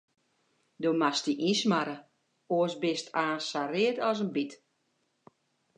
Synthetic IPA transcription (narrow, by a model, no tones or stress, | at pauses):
domastiʔismaɾə | oəsbɪstʰaːnsarɪətɔsənbit